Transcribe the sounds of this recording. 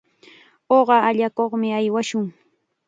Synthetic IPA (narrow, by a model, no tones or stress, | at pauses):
oɢɑaʎakoχmɪajwaʃʊŋ